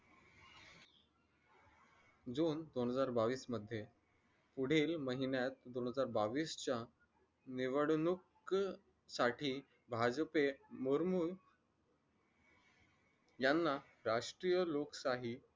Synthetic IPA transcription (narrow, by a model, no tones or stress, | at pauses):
d͡zuːnd̪onɦəd͡zaɾbaʋiːsməd̪ʱːje | puɽ̤iːlməɦinjat̪̚d̪onɦəd͡zaɾbaʋiːst͡ɕja | niʋəɽnuk | saʈʰiː | bʱad͡zpemuɾmuː | janːa | ɾaʂʈɾijəloksaɦi